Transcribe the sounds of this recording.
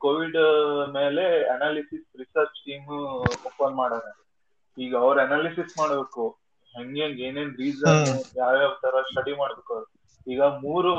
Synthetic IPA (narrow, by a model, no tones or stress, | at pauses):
koːʋiɖme̞ːle̞ɐnaːlisisɾisɐɾt͡ʃsiːmoːpːɐnmaːɽt̪aɾe | iːɡɐɐʋɾɐnaːlisismaːɽbe̞ːku | ɦeŋɡeŋɡe̞ːneːnɾiːd͡ʒsaːujaːʋjaːt̪ʰɐɾɐsʈɐɽimaːɽbeːkaɾu | iːɡɐmuːɾu